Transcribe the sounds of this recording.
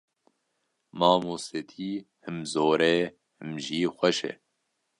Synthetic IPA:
mɑːmuːset̪ʰiː | hɨmzoːɾeː | hɨmʒiːxʷɛʃḛ

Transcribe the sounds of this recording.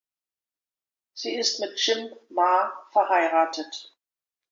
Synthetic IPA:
z̥iːɪstmɪtʃɪmːaːfɛɐɦaɪʁaːtʰət

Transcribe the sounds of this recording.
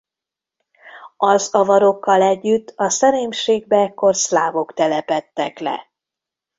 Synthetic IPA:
ɒzɒvɒɾo̞kːɒlɛɟːyt̪ːɒsɛɾeːmʃeːɡ̚bɛɛkːo̞rslaːvo̞kt̪ɛlɛpɛt̪ːɛklɛ̰

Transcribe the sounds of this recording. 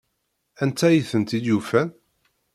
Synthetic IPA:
ænt̪ːæjiθənt̪id̪jufæn

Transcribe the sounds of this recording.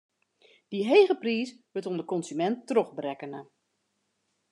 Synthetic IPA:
d̥iɦejɣəpriːsʋɪtondəkɔnsymɛntːrɔχbrɛkənə

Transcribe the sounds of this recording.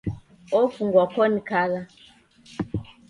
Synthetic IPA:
ɔfuŋɡwakɔnikaɣa

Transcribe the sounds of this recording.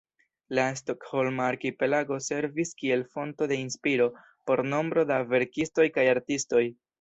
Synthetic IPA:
lastokho̞lmaːɾkipe̞laɡo̞se̞ɾviskie̞lfo̞nto̞de̞inspiɾo̞ | po̞ɾno̞mbɾo̞dave̞ɾkisto̞jkajaɾtisto̞j

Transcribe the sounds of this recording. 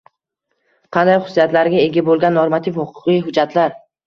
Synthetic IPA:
qʰɑnd̪ajχʊ̥sːijat̪laɾɡʲae̞ɡʲabolˠɡʲanːoɾmat̪ʰifhʊqʰʊ̥qɨjɦʊd͡ʒːat̪ʰlaɾ

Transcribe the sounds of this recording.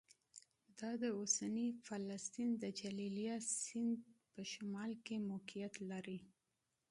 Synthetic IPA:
d̪ɑd̪əosanifalast̪ind̪əd͡ʒalilijasɪnd̪pəʃamɑlkemokijat̪laɾi

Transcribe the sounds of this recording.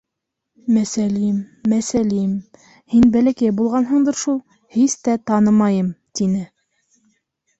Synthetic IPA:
mæsælimːæsælim | hinbælækæjbulˠʁɑnɦɤ̆ɴd̪ɤɾʃulˠ | hist̪æt̪ɑnɤmɑjɤmt̪inɘ

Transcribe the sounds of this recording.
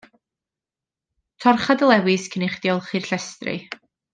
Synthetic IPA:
tʰɔrχadəlˠɛwɨskʰənɪχd̥jɔlˠχirɬɛstrɨ̰

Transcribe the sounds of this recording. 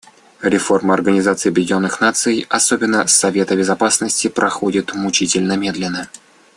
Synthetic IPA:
ɾʲɪfo̞rməɐrɡənʲɪzat̪sɨjɐbʲɪdʲonːɨxnat̪sɨjɐso̞bʲɪnːəsɐvʲe̞t̪əbʲɪzɐpasnəsʲtʲɪpɾʔɐxo̞dʲɪt̪mʊt͡ɕitʲɪlʲnəmʲe̞d̪lʲɪnːə

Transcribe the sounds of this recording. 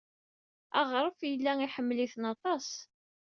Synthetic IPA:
æ̰ʁɾˤəfjəlːæiħəmːliθnɑt̪ˤɑs

